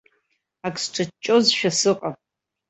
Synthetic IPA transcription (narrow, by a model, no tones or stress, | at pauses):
akʼsʈ͡ʂʰʼɨt͡ʃːʼozʃᶣasɨqʼapʼ